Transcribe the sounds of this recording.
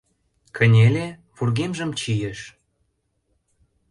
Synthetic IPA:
kʰə̆nʲele | βurɣemʒə̆mt͡ɕijeʃ

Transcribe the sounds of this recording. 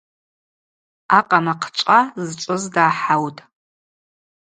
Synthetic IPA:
aqʼamaqʰt͡ʃʷʼazt͡ʃʷʼʊzdaːħawtʼ

